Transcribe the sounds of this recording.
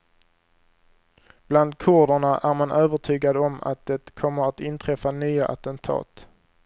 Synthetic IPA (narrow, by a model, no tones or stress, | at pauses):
b̥land̪̚kʰʊɖəɳaʔæɾmanʔøːvəʈʰyːɡad̪ɔma̰t̪̚d̪ɛt̪kʰɔmːəɾat̪ɪnt̪ʰɾɛfanyːaʔa̰t̪ɛnt̪ʰɑ̰ːt̪